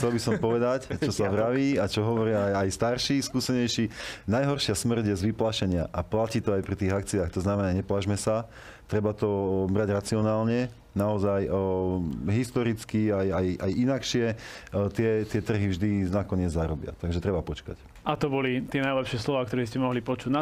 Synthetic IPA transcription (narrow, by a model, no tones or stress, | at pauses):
xt͡sɛlbisɔmpɔʋɛd̪act͡ʃɔsaʋɾaʋiːat͡ʃɔɦɔʋɔɾɪajajst̪aɾʃiskuːsɛɲɛjʃinajɦɔrʃɪasmr̩ɟjɛzʋiplaʃɛɲɪaʔaplaciːt̪ɔajpɾit̪iːɣakt͡siaːxt̪ɔznamɛnaɲɛplaʒmɛsa | t̪ɾɛbat̪ɔbɾaɟɾat͡siɔnaːlɲɛ | naɔzaj | ɦist̪ɔɾit͡skiajajajinakʃɪɛt̪ɪɛt̪ɪɛt̪r̩ɦivʒd̪inakɔɲɪɛd͡zzːaɾɔbɪa̰t̪aɡʒɛt̪ɾɛbapɔt͡ʃka̰c | ʔat̪ɔbɔlit̪ɪɛnajlɛpʃɪɛslɔʋaːk̚t̪ɔɾɛscɛmɔɦlipɔt͡ʃuːɟna